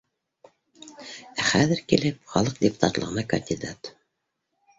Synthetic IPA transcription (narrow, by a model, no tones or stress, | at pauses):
æχæðɘɾkilɘp̚χɑlˠɤq̚d̪ʲɪpu̥t̪ɑ̰t̪lˠɤ̰̆ʁɤ̆nɑkə̰nʲd̪ʲid̪at̪